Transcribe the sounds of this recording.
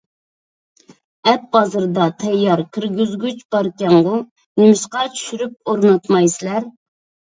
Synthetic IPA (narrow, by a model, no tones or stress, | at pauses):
ɛp̚bɑzɨɾd̪ɑt̪ʰɛjːɑɾkʲʰɪɾɡʲyzɡʲyt͡ʃbɑɾkʲɛŋʁʊ | nɪmɪʃqɑt͡ʃʰy̥ʃyɾyp̚oɾnɑt̪mɑjsɨlæɾ